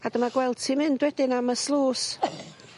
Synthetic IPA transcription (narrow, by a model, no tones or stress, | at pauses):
adəmaɡwɛlˠd̥̚tʰimɪndwɛdɪnaməslˠuːs